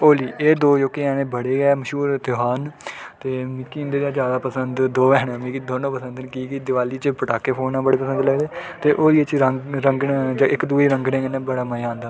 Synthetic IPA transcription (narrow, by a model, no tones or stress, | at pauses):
oːliːʔeːd̪oːd͡ʒoːkeːɛːɽẽːbəɽeːɡɛːməʃuːɾt̪ɪɦaːnt̪eːmɪkːiːnd̪eːdãːd͡ʒjaːd̪aːpəsənd̪d̪oːɛːɽ̃ãːmĩːkid̪oːnõːpəsənd̪nkiːɡiːd̪ɪʋaːliːt͡ʃpəʈaːkeːpʰoːnãːbəɽeːpəsə̃nd̪ləɡd̪eːt̪eːʔoːliːet͡ʃɾəɾəŋɡnd͡ʒəʔɪkd̪uːeːɾəŋɡɽẽːɡənẽbəɽaːməjãːnd̪aː